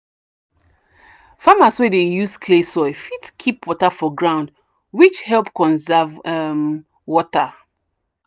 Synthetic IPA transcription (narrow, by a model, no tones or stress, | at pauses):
famaswɛdejuskʰlesɔɪfitkʰipwɔtafɔɡɹãʊ̃nd | wit͡ʃhɛlpkɔ̃nzɛvɛm | wɔta